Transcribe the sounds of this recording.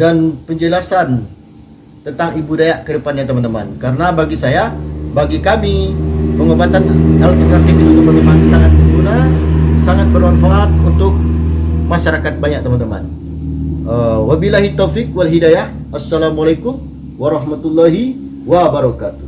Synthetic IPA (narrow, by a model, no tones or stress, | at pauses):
danpəɲd͡ʒəlasan | t̪ənt̪aŋibudajaʔkədəpanɲat̪əmant̪əma̰nkaɾənabaɡisajabaɡikamipəŋobat̪analt̪ərkat̪eɡiut̪əmant̪əmansaŋat̪̚məmbunasaŋat̪̚bərmanfaʔːt̪̚unt̪ʊk̚maʃaɾakat̪̚baɲak̚t̪əmant̪əma̰n | əwabilaɦit̪ːowfik̚walɦidajah | asːalamualakʊm | waɾɑhmat̪ulːaɦi | wabəɾɔkat̪u̥